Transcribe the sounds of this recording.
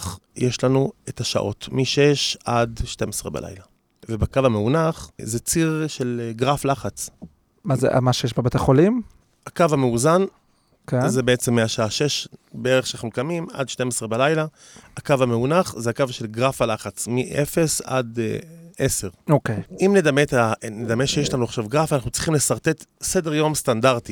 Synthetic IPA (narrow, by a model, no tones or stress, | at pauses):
χjʔeʃlanuetaʃa̰ʔo̞̰tmiʃeʃadʃte̞mesʁeba̰lʔa̰jla | vebakavameunaχzet͡siʁʃelɡʁaflaχat͡s | maz̰a̰maʃejeʃbabet̪aχolim | hakavameuzan | kenzebeet͡semːeaʃaaʃe̞ʃbeeʁeχʃanaχnukamima̰d̪ʃte̞mesʁebalajla | akavameunaχzeakavʃe̞lɡʁafalaχat͡smiʔefe̞sa̰d̪ | ese̞ʁokejimne̞d̪amet̪aned̪ameʃejeʃlanuaχʃavɡʁafanaχnut͡si̥χimlesaʁt̪e̞t̪se̞deʁjo̞mst̪andaʁt̪i